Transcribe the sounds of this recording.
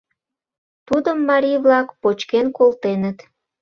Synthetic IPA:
t̪ud̪əmːɑɾʲijβlɑkpot͡ɕkenkolt̪enət̪

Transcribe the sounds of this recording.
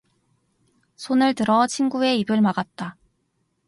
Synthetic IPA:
sʰonɯɭtɯɾʌt͡ɕʰinɡue̞ibɯɭmaɡat̚t͈a

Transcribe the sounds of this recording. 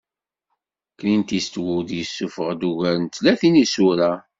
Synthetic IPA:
kːnint̪ist̪wud̪jəsːufəʁd̪uʝæɾnt̪ːlæθinisuɾa

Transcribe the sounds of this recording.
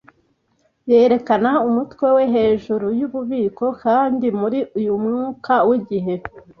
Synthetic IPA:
je̞ːɾe̞kanaumutwe̞we̞ɦe̞ːʒuɾujuβuβiːko̞kaːndimuɾiujumŋuːkawiɟiɦe̞

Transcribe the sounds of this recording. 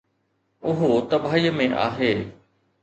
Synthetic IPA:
ʊɦot̪ɐbʱaːiːmẽʔa̰ːɦeː

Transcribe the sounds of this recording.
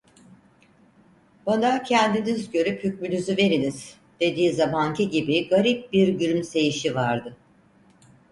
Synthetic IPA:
banacʰɛnd̪inizɟø̞ɾyphyc̚mylʲyzyve̞ɾiniz̥ | d̪̥e̞d̪iːzamaŋcʰiɟibiɡaɾip̚biɾɟyɾymse̞jiʃivaɾd̪ɯ

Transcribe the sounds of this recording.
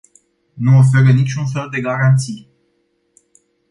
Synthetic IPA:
nuof̬e̞ɾənit͡ʃʲunfe̞ld̪e̞ɡaɾant̪sij

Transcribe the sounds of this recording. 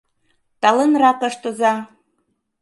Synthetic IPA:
t̪ɑlɤnrɑkə̆ʃt̪ozɑ

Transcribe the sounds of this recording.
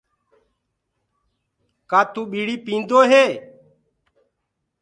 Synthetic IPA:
kaːt̪ũːɓiːɽiːpĩːnd̪oːɦeː

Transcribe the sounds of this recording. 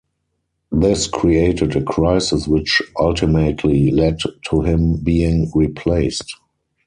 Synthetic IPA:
ðɪskʰɹieɪtɪdəkʰɹaɪsɪswɪt͡ʃʔaltɪmətʰlilɛdtʰuhɪ̃mbiːɪ̃ŋɹipʰleɪst

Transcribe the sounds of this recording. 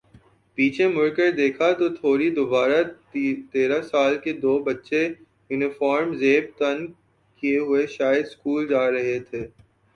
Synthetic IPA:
piːt͡ʃʰemʊɾkəɾd̪eːkʰat̪ot̪ʰoːɾid̪ʊbaːɾa | t̪eːɾasaːlked̪oːbɐtːʃe | juːnɪfɔːɾmzeːb̚t̪ɐn | kieɦʊeʃaːjəd̪skuːld͡ʒaːɾɐɦet̪ʰeː

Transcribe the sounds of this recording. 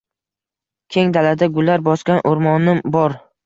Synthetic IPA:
kʲʰe̞ŋd̪alad̪aɡʊlːaɾbɒskʲanʔoɾmɒnɪmbɒɾ

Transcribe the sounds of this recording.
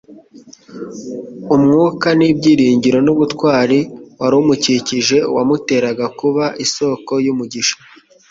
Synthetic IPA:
umŋuːkanibɟiːɾiːɲɟiɾo̞nuβutkwaːɾiwaɾumuciciʒe̞wamute̞ːɾaɡakuβaʔiso̞ko̞jumuɟiʃḁ

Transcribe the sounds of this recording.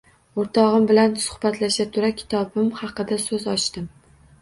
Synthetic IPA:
oɾt̪ʰɒʁɨmbɪlansʊ̥hbat̪laʃat̪ʰʊɾakʲʰɪ̥t̪ʰɒbɪmhɑqɨd̪asɵzɒt͡ʃt̪ɪm

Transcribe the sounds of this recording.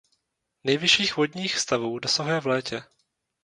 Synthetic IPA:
nɛjvɪʃiːxvodɲiːxfst̪avuːdɛsoɦjɛvlɛːcɛ

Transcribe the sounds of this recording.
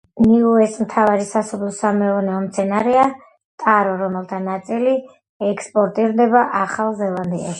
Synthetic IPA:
niuɛsmt̪ʰavaɾisasɔblˠɔsamɛɔnɛɔmt̪sʰɛnaɾɛa | t̪ʼaɾɔɾɔmɛlˠt̪ʰanat̪sʼili | ɛkspʼɔɾt̪ʼiɾd̪ɛbaʔaχalˠzɛlˠand̪ia̰ʃ

